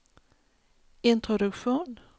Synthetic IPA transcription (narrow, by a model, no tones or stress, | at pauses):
ɪnt̪ɾɔd̪ɵkɧuːn